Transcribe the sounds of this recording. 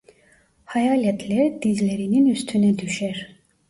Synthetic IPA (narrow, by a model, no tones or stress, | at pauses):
hɑjaːlʲɛt̪ʰlɛɾd̪izleɾininyst̪ʰynɛd̪yʃɛɾ